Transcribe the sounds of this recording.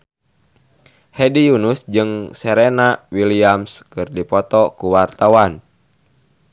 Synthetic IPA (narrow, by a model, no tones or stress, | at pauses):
hɛdijunusd͡ʒɨŋsɛɾɛnawiliamskɨrdipɔt̪ɔkuwart̪awan